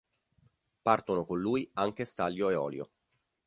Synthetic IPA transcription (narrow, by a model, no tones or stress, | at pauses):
part̪onokonluːjaŋk̟est̪aljoeɔ̰ːljo̰